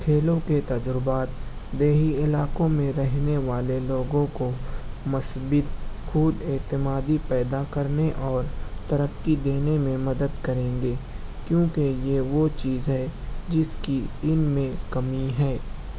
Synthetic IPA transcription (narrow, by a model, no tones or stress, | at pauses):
kʰeːlõket̪ɐd͡ʒɾɪbaːt̪ | d̪eːɦiɪlaːkõmẽɾɛɦneʋaːleloːɡõkomʊsbɪt̪xʰuːd̪ɪːt̪ɪmaːd̪ipɛːd̪akɐɾneʔɔːɾt̪ɐɾəkːid̪eːnemẽmɐd̪əd̪kɐɾẽːŋɡeːkjõːkejeʋot͡ʃiːzɦɛd͡ʒɪskiɪnmẽkɐmiɦɛː